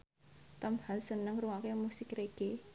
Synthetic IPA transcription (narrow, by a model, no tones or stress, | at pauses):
t̪əmhansənəŋruwakemusɪkreɡ̥e